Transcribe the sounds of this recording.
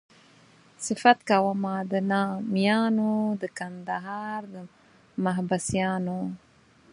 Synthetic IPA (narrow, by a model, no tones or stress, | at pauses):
sɪfat̪kawəmad̪ənɑmjɑnod̪əkand̪aɦɑɾd̪ə | maɦbasjɑno